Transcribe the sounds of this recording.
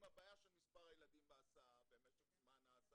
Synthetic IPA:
imabaːjaʃelmispaʁajelad̪imbeasaabeːmetezmanaːs

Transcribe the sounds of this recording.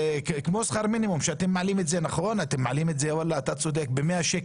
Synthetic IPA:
kmosχaʁminimumʃeat̪emːaʕalimetzenaχo̞nat̪emːaʕalimetzeavalaːt̪at͡so̞d̪ek̚bemeaʃek

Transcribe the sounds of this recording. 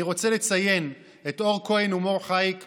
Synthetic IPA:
iʁo̞t͡selet͡saje̞n | eto̞ʁkoenumo̞ʁχajk

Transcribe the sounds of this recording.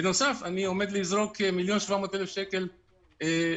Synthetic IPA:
beno̞safanio̞med̪lizʁo̞kemiljo̞nʃvamo̞ːt̪elefʃe̞ke̞l | e

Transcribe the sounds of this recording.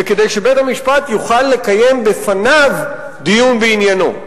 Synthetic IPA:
eked̪ejʃe̞bejt̪hamiʃpat̪juχalːe̞kaje̞mbefanav | d̪ijunbeinjano̞̰

